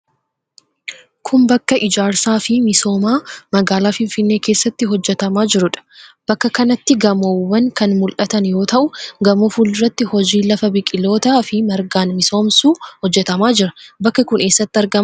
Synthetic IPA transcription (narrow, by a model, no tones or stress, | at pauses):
kʰʊmbɐkːɐʔɪd͡ʒaːɾsaːfɪmɪso̞ːmaːmɐɡaːlaːfɪnfɪnːe̞ːke̞ːsːɐt̪ːɪɦɔd͡ʒːɛt̪ɐmaːd͡ʒɪɾʊᶑɐ̥b̥ɐkːɐkɐnɐt̪ːɪɡɐmowːɐŋkɐnmʊlʔɐt̪ɐnjo̞ːt̪ɐʔʊɡɐmofuːlɪrːɐt̪ːɪhɔd͡ʒiːlɐfɐbɪkʼːɪlo̞ːt̪aːfɪmɐɾɡaːnmɪso̞ːmsuːhɔd͡ʒːɛt̪ɐmaːd͡ʒɪɾɐbɐkːɐkʊne̞ːsːɐt̪ːɪɐɾɡɐm